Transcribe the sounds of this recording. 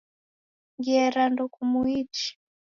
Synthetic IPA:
ŋɡɛɾandukumuit͡ʃi̥

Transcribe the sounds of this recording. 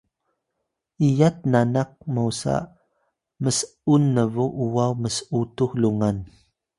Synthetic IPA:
ijat̚nanak̚mausa̰ | məs | unːəvuʔuwawməsəutuxluŋan

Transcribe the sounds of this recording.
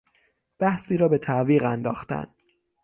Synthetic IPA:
b̥æhsiːɾɒːbe̞t̪ʰæviːɣænd̪ɒːxt̪æ̰n

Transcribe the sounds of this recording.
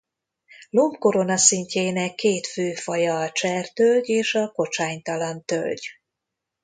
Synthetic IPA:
lompko̞ɾo̞nɒsiɲceːnɛkːeːt̪føːfɒjɒːt͡ʃɛrt̪ølɟeːʃɒko̞t͡ʃaːɲt̪ɒlɒnt̪ø̰lɟ

